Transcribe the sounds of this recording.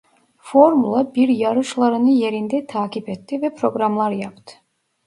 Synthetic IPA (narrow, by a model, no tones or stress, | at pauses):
fo̞ɾmulˠabiɾjaɾɯʃlˠaɾɯnɯje̞ɾind̪ɛt̪ʰaːcipɛt̪ʰːivɛpʰɾo̞ɡɾamlˠaɾjapt̪ʰɯ̥